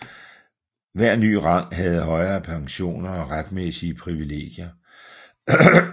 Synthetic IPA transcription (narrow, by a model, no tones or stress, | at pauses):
ʋæɐ̰ny̰ːʁɑ̈ŋ̰ɦæð̞̩ˠɦɒ̽ɪɐːpʰɑ̈ŋɕo̝̰ːnɐɒ̽ʁad̥mesiəpʰʁiʋile̝̰ːɡ̥jɐ